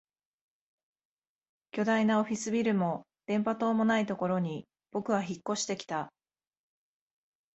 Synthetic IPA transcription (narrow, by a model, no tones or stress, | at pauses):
kʲo̞d̪ainao̞ɸʲisɨbʲiɾɯ̟mo̞ | d̪̥ẽ̞mpat̪o̞ːmo̞nait̪o̞ko̞ɾo̞ɲ̟i | b̥o̞kɯ̟βaçikːo̞ɕi̥t̪e̞kʲi̥t̪a